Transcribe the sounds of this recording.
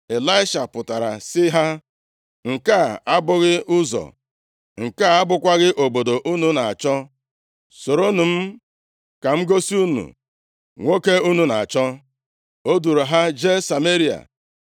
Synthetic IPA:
e˨la˦ɪ˦ʃa˨pʊ˨ta˨ɾa̰˨sɪ˦ɦa˦ | ŋ̩˨ka˦˨a˦bʊ˦ɣɪ˦ʊ˦zɔ̰˨ | ŋ̩˨ka˦˨a˦bʊ˦kʷa˦ɣɪ˦ʔo˨bo˨do˨ʔu˦nu˦na˨a˨t͡ʃɔ˦ | so˨ɾo˦nu˨m̩˦ | ka˨m̩˦ɡo˦si˦u˦nṵ˨ | ŋʷo˦ke˦u˦nu˨na˨a˨t͡ʃɔ˦ | o˦du˨ɾo˨ɦa˦d͡ʒe˦sa˨me˦ɾi˦a̰˨

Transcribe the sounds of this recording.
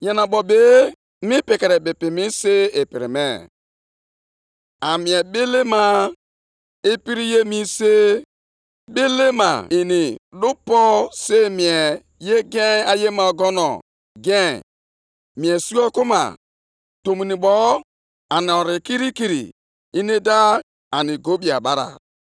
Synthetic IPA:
ɲa˨na˨bɔ˨be˨˦ | mi˦pi˨ke˨ɾe˨bɪ˨pi˨mi˦se˦e˨pḭ˨ɾḭ˨mḛ˨ | a˨mi˨e˨be˦le˦ma˦ | e˦pi˦ɾi˦je˦mi˦se˦ | be˦le˦ma̰˨i˨ni˨lu˦pɔ˦se˦mi˨e˨ | je˦ɡe˦a˨je˦ma˨ɔ˨ɡɔ˦nɔ̰˨ | ɡɛ̰˦˨ | mi˨e˨su˦ɔ˦ku˦ma̰˨ | to˨mi˨ni˨ɓɔ˦ | a˨ni˨ɔ˨ɾi˨ki˦ɾi˦ki˨ɾḭ˨ | i˦ni˦da˦ | a˨ni˨ɡo˦bi˨a˨ɓa˦ɾa̰˨

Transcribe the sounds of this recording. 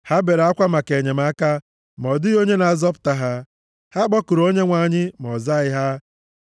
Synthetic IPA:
ha˦be˨ɾa˦kʷa˦ma˨ke˨ɲe˨ma˦ka˦ | m˨ɔ˨dɪ˦o˦ɲe˦na˨zɔ˦p̬ʊ̥˨ta˨ɦa˦ | ha˦ɡ͡bɔ˦ku˨ɾo˦ɲe˦ŋʷa˨ɲɪ˦mɔ˨za˦ɪ˦ɦa˦

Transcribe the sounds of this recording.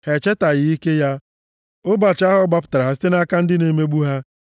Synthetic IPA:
he˨t͡ʃe˦ta˨ɣɪ˨i˦ke˦ja˦ | ʊ˦ba˨t͡ʃa˦ɦʊ˦ɡ͡ba˦p̬ʊ̥˨ta˨ɾa˨ɦa˦s̬i̥˦te˦na˦ka˦n̩˦dɪ˦ne˨me˦ɡ͡bu˦ɦa˦

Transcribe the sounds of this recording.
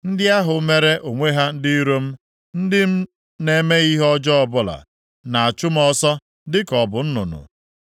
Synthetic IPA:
n̩˦dɪ˦a˦ɦʊ˨me˦ɾe˦ʔo˨ŋʷe˦ɦa˦n̩˦dɪ˦ɾo˦m̩˦ | n̩˦dɪ˦m̩˦ | ne˨me˦i˦ɦɔ˦d͡ʒɔ˦ɔ˨bʊ˦la̰˨ | na˨a˨t͡ʃʊ˦m̩˦ɔ˦sɔ˦ | dɪ˦kɔ˨bʊ˨n̩˦nʊ̰˨nʊ̰˨

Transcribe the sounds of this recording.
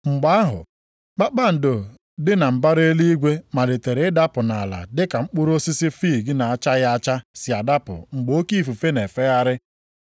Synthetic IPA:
ŋ͡m̩˨ɡ͡ba˦ɦʊ̰˨ | k͡pa˦k͡pa˦n̩˨do˨ | dɪ˦na˨m̩˨ba˦ɾe˦li˦i˦ɡʷe˦ma˨le˨te˨ɾɪ˨˦ɪ˦da˦pʊ˨na˨la̰˨dɪ˦ka˨ŋ͡m̩˦k͡pʊ˦ɾo˦si˦sɪ˦fiː˦˨ɡɪ˦na˨a˨t͡ʃa˦ja˦t͡ʃa˦sɪ˨a˨da˦pʊ̰˨ŋ͡m̩˨ɡ͡bo˦ki˦˨fu˨fe˦ne˨fe˦a˦ɾɪ˦

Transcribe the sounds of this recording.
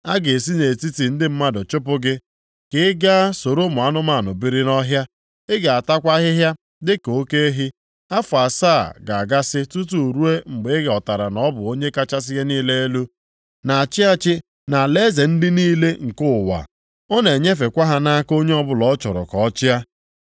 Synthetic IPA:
a˦ɡe˨s̬i˦ne˨ti˦ti˨n̩˦dɪ˦m̩˦ma˦dʊ˨t͡ʃʊ˦pʊ˦ɡɪ˦ | kɪ˦ɪ˦ɡa˦so˨ɾo˦mʊ˨a˦nʊ˦ma˦˨nʊ˨bi˦ɾɪ˦nɔ˦ɦja˦ | ɪ˦ɡe˨a˨ta˦kʷa˦ɦɪ˦ɦja˦ | dɪ˦ko˦ke˦e˦ɦi˦ | a˦fʊ˨a˨saː˦˨ɡa˨a˨ɡa˦sɪ˦tu˦tu˨ɾu˦e˦ŋ͡m̩˨ɡ͡be˨˦ɪ˦ɡe˨ɔ˨ta˨ɾa˨nɔ˦bʊ˨o˦ɲe˦ka˦t͡ʃa˦s̬ɪ˦ɣe˦niː˦le˦e˦lu˦ | na˨a˨t͡ʃɪ˦a˦t͡ʃɪ˦ | na˨le˦ze˨n̩˦dɪ˦niː˦le˦ŋ̩˨kʊ˦˨wa̰˨ | ɔ˦ne˨ɲe˦fe˨kʷa˦ɦa˦na˦ko˦ɲe˦ɔ˦bʊ˨lɔ˦t͡ʃɔ˨ɾɔ̰˨kɔ˨˦t͡ʃɪ˦a˦

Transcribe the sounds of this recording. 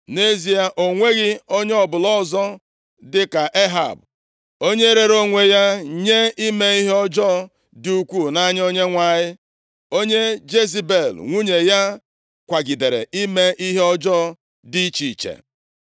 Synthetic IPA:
ne˦zi˨a˦ʔo˨ŋʷe˦ɣɪ˦o˦ɲ˦ɔ˨bʊ˨lɔ˦zɔ˦ | dɪ˦ka˨ʔe˦ɦa̰˨b | o˦ɲe˦ɾe˨ɾo˦ŋʷe˨ja˦ɲe˦i˦me˦i˦ɦe˦ɔ˦d͡ʒɔ˦˨ | dɪ˨u˦kʷu˦˨na˦ɲ˦o˦ɲe˦ŋʷa˨ɲɪ˦ | o˦ɲe˦d͡ʒe˦zi˦be˨lŋʷu˦ɲe˨ja˦ | kʷa˨ɡi˨de˨ɾḛ˨ʔi˦me˦ʔi˦ɦe˦ɔ˦d͡ʒɔ˦ | di˦t͡ʃi˨t͡ʃḛ˨

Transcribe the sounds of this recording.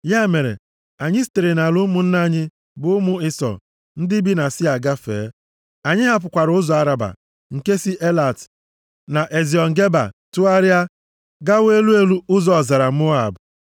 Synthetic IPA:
ja˦˨me˨ɾḛ˨ | a˨ɲɪ˦ste˨ɾe˨na˨lʊ˦mʊ˨n̩˦na˦˨ɲɪ˦ | bʊ˨ʊ˦mʊ˦ɪ˦sɔ̰˨ | n̩˦dɪ˦bi˦na˨sɪ˦a˨ɡa˦fḛː˨˦ | a˨ɲɪ˦ɦa˦p̬ʊ˨kʷa˨ɾʊ˦zɔ˨a˨ɾa˨ba̰˨ | ŋ̩˨ke˦si˦ʔe˦la˨t | na˨ʔe˨zi˨ɔ˨ŋ̩˨ɡe˦ba̰˨tʊ˦a˦ɾja˦ | ɡa˦we˦lu˦e˦lu˦ʊ˦zɔ˨za˨ɾa˨mʊ˦a̰˨b

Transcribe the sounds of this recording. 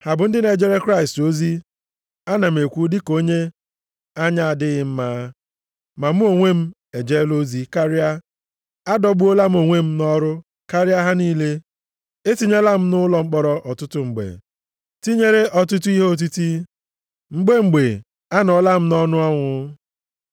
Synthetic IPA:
ha˨bʊ˨n̩˦dɪ˦ne˨d͡ʒe˦ɾe˦kɾa˦ɪ˨sto˦zi˦ | a˦na˨m̩˨e˨kʷu˦dɪ˦ko˦ɲe˦ | a˦ɲa˨a˨dɪ˦ɣɪ˨m̩˦maː˨˦ | ma˨m̩˦o˨ŋʷe˦m̩˦ | e˨d͡ʒe˦lo˦zi˦ka˦ɾɪ˦a˦ | a˦dɔ˦ɡ͡bu˦o˦la˦m̩˦o˨ŋʷe˦m̩˦nɔ˦ɾʊ˦ | ka˦ɾɪ˦a˦ɦa˦niː˦le˦ | e˦ti˦ɲe˦la˦m̩˦nʊ˦lɔ˨ŋ͡m̩˦k͡pɔ˦ɾɔ˦ʔɔ˨tʊ˦tʊ˦ŋ͡m̩˨ɡ͡bḛ˨ | ti˦ɲe˦ɾe˦ʔɔ˨tʊ˦tu˦i˦ɦe˦o˨t̬u˦ti˦ | ŋ͡m̩˦ɡ͡be˦ŋ͡m̩˨ɡ͡be˨ | a˦nɔ˨la˦m̩˦nɔ˦nʊ˦ɔ˦ŋʷʊ˨

